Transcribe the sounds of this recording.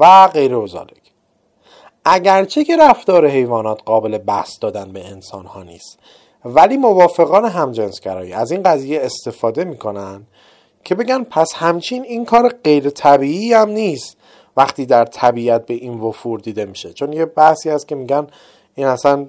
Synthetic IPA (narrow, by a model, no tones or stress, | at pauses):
væɢe̞jɾeozɒ̰ːlecʰ | ʔæɟæɾt͡ʃʰe̞cʰe̞ɾæft̪ɒːɾe̞ɦe̞jvɒːnɒːt̪ʰɢɒːbe̞le̞bæhsd̪ɒːd̪ænbe̞ensɒ̰ːnhɒːnḭːst̪ | væliːmo̞vɒːfe̞ɣɒːneɦæmd͡ʒenskæɾɒ̰ːjḭæziːnɢæziːjeest̪e̞fɒːd̪e̞miːkʰo̞nænd̪̥ | cʰe̞be̞ɟænpʰæshæmt͡ʃʰiniːnkʰɒːɾeɢe̞jɾet̪ʰæbiːiːæmniːst̪ | væχt̪iːd̪æɾt̪ʰæbiːæt̪̚be̞ʔiːnvo̞fuːɾd̪iːd̪e̞miːʃe̞t͡ʃʰo̞njebæhsiːæst̪̚cʰe̞miːɟæn | iːnæsæn